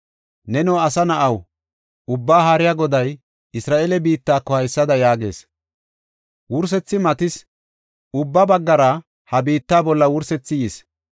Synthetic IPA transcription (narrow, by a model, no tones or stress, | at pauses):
nɛnɔwɐsɐnɐʔɐw | ʊbːaːɦaɾɪjaɡɔd̪ɐj | ɪsɾaːʔeːlɛbiːt̪ːaːkːɔhɐjsːɐd̪ɐjaːɡe̞̰ːs | wʊɾs̬ɛt͡sːɪmɐt̪ɪs | ʊbːɐbɐɡːɐɾɐ | hɐbiːt̪ːaːbɔlːɐwʊɾsɛt͡sːɪjɪs